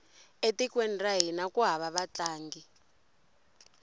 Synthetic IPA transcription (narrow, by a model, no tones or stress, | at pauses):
etikwɛndraɦinakuɦaβaβat͡ɬaːŋɡi